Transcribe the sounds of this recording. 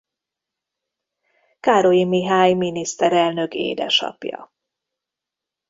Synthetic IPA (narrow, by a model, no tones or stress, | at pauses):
kaːɾojimiɦaːjminist̪ɛɾɛlnø̞kḛːd̪ɛ̰ʃɒ̰pjɒ̰